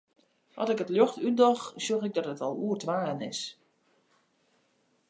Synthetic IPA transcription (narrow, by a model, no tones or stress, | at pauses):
ʔɔ̰sɪkətljoxtyt̚dɔxsjoxɪɡ̚dɔtətɔlˠuərtʋaːənɪ̰s